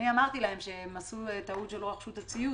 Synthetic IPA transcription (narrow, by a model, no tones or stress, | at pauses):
niamaʁt̪ilahe̞mʃe̞masuet̪aut̪ʃeloʁaχʃut̪at͡siju